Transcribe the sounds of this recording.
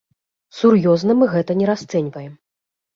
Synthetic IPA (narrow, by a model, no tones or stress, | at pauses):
surjɔznɐmɨɣɛt̪ɐnʲɛɾast̪sɛnʲvɐjɛm